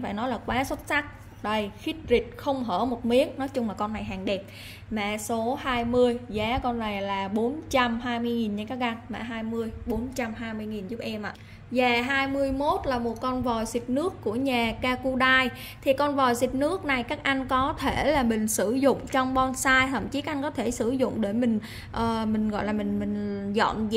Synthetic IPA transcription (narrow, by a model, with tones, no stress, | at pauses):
faː˧˩jnɔ˨˦jlaː˨˩kwaː˨˦swə˦˥t̚sa˦˥k̚ | ɗə˧jxi˦˥k̚zï˨˩k̚xə˧wŋ͡mɦəː˧˩mo˨˩t̚mi˨˦˥ən̚nɔ˨˦jt͡ɕʊ˧ŋ͡mlaː˨˩kɔ˧nːa˨˩jɦaː˨˩ŋɗɛ˨˩p̚ | mɛ̰˧˩˨so˨˦haː˧jmɨ˧əjzaː˨˦kɔ˧nːa˨˩jlaː˨˩ɓo˨˦nt͡ɕa˧mɦaː˧jmɨ˧əjŋi˨˩nɲa˧kaː˦˥ɣa˧nmɛ̰ː˧˩ɦaː˧jmɨ˧əjɓo˨˦nt͡ɕa˧mɦaː˧jmɨ˧əjŋi˨˩nzʊ˦˥p̚ʔɛ˧mʔa̰ː˧˨ | zaː˨˩ɦaː˧jmɨ˧əjmo˦˥t̚laː˨˩mo˨˩t̚kɔ˧nvɔ˨˩jzi˨˩t̚nɨ˦˥əkːu˧˩əɲaː˨˩kaː˧ku˧ɗaː˧j | t̪ʰi˨˩kɔ˧nvɔ˨˩jzi˨˩t̚nɨ˦˥ək̚na˨˩jkaː˦˥k̚ʔa˧jŋ̟kɔ˨˦t̪ʰe˧˩laː˨˩mï˨˩ŋ̟sɨ˧˩zʊ̰˧˨ŋ͡mt͡ɕɔ˧wŋ͡mɓɔ˧nsaː˧jt̪ʰə̰˧˩mt͡ɕi˨˦ka˦˥ʔŋkɔ˨˦t̪ʰe˧˩sɨ˧˩zʊ̰˧˨ŋ͡mɗe˧˩mï˨˩ŋ̟ | ʔəː˨˩mï˨˩ŋ̟ɣɔ̰˧˨jlaː˨˩mï˨˩ŋ̟mï˨˩ŋ̟zɔ̰˧˨n˧